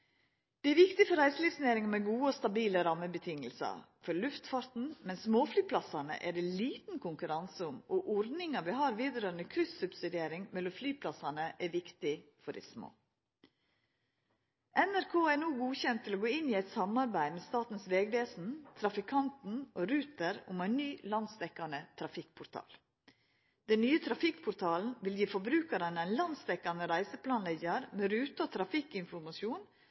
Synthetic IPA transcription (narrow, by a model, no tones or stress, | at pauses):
d̪̥ɛɛʋɪkt̪ɪfɔɾhæɪsəliːʋsneːɾɪŋɑmɛɡuːəost̪ɑbiːləɾɑmːəbət̪ʰɪŋəlsɑ̰ | fɔlʉft̪fɑɾt̪n̩mɛnsmoːflyːpʰlɑsɑnə̰ʔɛ̰ɖ̪eliːt̪n̩kʰʊŋkʉɾɑnsəʊmoːʔɔɾnɪŋɑʋɪɦɑːɾʋiːd̪ɾøːɾnəkʰɾʏsʉbsɪd̪ɪeːɾɪŋmɛlːɔmflyːpʰlɑsɑnəʔɛʋɪkt̪ɪfɔɾɪ̰smo̰ː | ʔɛnæɾkʰoːænuːɡuːçɛnt̪ʰːɪloɡoːɪnːiːɛɪt̪sɑmɑɾbæɪmeːst̪ɑːt̪n̩sʋeːɡʋeːsn̩t̪ʰɾɑfɪkʰɑnt̪n̩ʔoːɾʉːt̪əɾʊ̰mæɪnnyːlɑnsd̪ɛkːɑnət̪ʰɾɑfɪkpʰʊɾt̪ʰɑ̰ːl | d̪̥ɛnnːyːət̪ʰɾɑfɪkpʰʊɾt̪ʰɑːln̩ʋɪljiːfɔbɾʉːkəɾɑnəɛɪnlɑnsd̪ɛkɑnəɾæɪsəpʰlɑːnlɛɡɑɾmeːɾʉːt̪ɑt̪ʰɾɑfɪkɪnfɔɾmɑʃjuːn